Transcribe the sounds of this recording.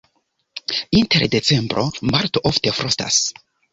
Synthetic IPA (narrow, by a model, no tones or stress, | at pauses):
ĩnteɾdet͡sẽmbɾomaɾtoʔoftefɾosta̰s